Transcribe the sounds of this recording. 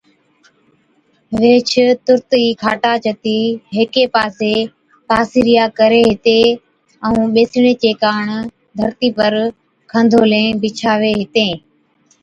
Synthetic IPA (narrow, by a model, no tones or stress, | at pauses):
ʋeːt͡ʃʰt̪ʊɾt̪iːkʰaːʈaːt͡ʃʰət̪iːɦeːkeːpaːseː | t̪aːsiɾɪjaːkəɾeːɦɪt̪eː | ə̃ũːɓeːsɪɽ̃eːt͡ʃeːkaːɳ | d̪ʱəɾt̪iːpəɾ | kʰə̃nd̪ʱoːlẽːbɪt͡ʃʰaːʋeːɦɪt̪ẽː